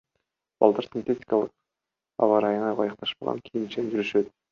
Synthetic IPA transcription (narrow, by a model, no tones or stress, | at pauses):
b̥ɑ̰lˠd̪ɑɾsʲinʲt̪ʲetʲi̥kalˠɯq | ɑ̰vɑɾɑjɴɑjʁɑjɑq̚t̪ɑʃpɑʁɑ̰nkʲʰijint͡ʃend͡ʒyɾyʃøt̪